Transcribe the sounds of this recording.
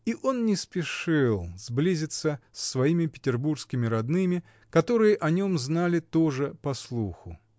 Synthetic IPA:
iʔo̞nnʲɪspʲɪʂɨlˠz̥blʲizʲɪt̪səsːvɐimʲɪpʲɪ̥tʲɪrburskʲɪmʲɪɾɐd̪nɨmʲɪ | kɐt̪o̞ɾɨjəʔɐnʲo̞mznalʲɪt̪oʐɨpɐslˠuxʊ

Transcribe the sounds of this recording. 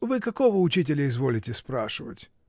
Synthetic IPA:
vɨkɐkovəʊt͡ɕitʲɪlʲɪɪzvolʲɪtʲɪspɾaʂɨvə̰tʲ

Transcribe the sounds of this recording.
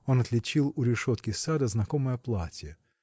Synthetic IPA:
o̞nɐt̪lʲɪt͡ɕilˠʊɾʲɪʂot̪kʲɪsad̪əznɐkoməjɐplˠatʲijə

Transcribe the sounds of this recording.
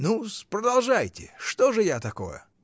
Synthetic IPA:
nuspɾəd̪ɐlˠʐajtʲɪ̰ʂt̪oʐɨjat̪ɐko̰jə̰

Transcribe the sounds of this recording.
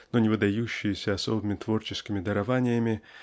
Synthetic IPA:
nonʲɪvɨd̪ɐjuɕːɪjɪsʲəɐso̞bɨmʲɪt̪vo̞rt͡ɕɪskʲɪmʲɪd̪əɾɐvanʲɪjəmʲɪ

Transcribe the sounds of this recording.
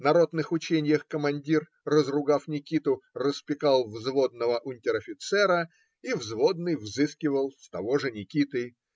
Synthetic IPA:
nɐɾo̞d̪nɨxʊt͡ɕenʲɪjəxkəmɐnʲdʲirː | əzrʊɡafnʲɪkʲit̪ʊrəspʲɪkalˠvzvo̞d̪nəvəʔʊnʲtʲɪɾɐfʲɪt̪sɛɾə | ivzvod̪nɨjvzɨskʲɪvəlˠst̪ɐvo̞ʐɨnʲɪkʲit̪ɨ

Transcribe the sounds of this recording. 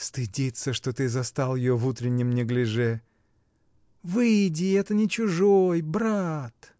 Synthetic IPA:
st̪ɨdʲit̪səʂt̪o̞t̪ɨzɐst̪alˠjɪjovut̪ɾʲɪnʲːɪmnʲɪɡlʲɪʐɛ | vɨjdʲɪɛt̪ənʲɪt͡ɕʊʐojbɾat̪

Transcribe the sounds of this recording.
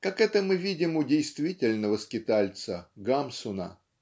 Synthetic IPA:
kakɛt̪əmɨvʲidʲɪmʊdʲejst̪vʲitʲɪlʲnəvəskʲɪt̪alʲt̪səɡamsʊnə̰

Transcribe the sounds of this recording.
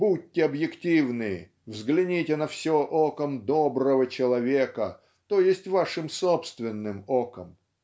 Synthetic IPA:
bud̚ʲtʲːɪɐbjɪktʲivnɨ | vzɡlʲɪnʲitʲɪnɐfsʲoʔokəmd̪obɾəvət͡ɕɪlˠɐvʲekə̰ | t̪ojɪsʲtʲvaʂɨmsopst̪vʲɪnːɨmokəm

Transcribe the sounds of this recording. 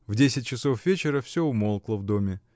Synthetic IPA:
vdʲesʲɪt̚ʲt͡ɕɪsofvʲet͡ɕɪɾəfsʲoʊmolˠklˠəvd̪omʲɪ

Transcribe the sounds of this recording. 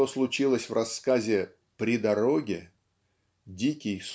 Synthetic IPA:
o̞slˠʊt͡ɕilˠəsʲvrɐsːkazʲɪ | pɾʲɪd̪ɐɾo̞ɡʲɪ | dʲikʲɪjs

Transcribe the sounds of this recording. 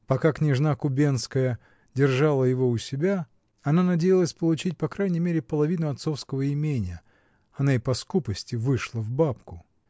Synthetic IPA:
pɐkaknʲɪʐnakʊbʲenskəjə | dʲɪrʐalˠəjɪvo̞ʊsʲɪbʲa | ɐnanɐdʲejɪlˠəsʲpəlˠʊt͡ɕit̚ʲpɐkɾajnʲɪjmʲeɾʲɪpəlˠɐvʲinʊɐt̪so̞fskəvəɪmʲenʲɪjə | ɐnaɪpɐskupəsʲtʲɪvɨʂlˠəvbapkʊ

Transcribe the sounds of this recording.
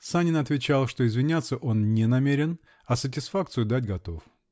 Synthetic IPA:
sanʲɪnɐt̪vʲɪt͡ɕalˠʂt̪o̞ɪzvʲɪnʲat̪sːəʔo̞nnʲɛnɐmʲeɾʲɪn | ɐsət̬ʲɪsfak̚t̪sɨjʊd̪atʲɡɐt̪o̞f

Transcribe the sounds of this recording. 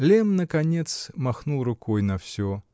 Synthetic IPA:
lʲemnəkɐnʲet̪smɐxnulˠrʊkojnɐfsʲo

